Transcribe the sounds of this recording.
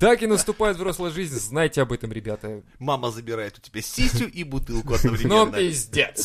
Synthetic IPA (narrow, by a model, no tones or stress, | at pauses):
t̪akɪnəst̪ʊpajɪt̪vroslˠəʐɨzʲnʲznajtʲɪɐbɛt̪əmɾʲɪbʲat̪ə | maməzəbʲɪɾajɪt̪ʊ̥tʲɪbʲasʲisʲtʲʊʔibʊt̪ɨlˠkkʊɐd̪nəvɾʲɪmnonːɪzʲdʲet̪s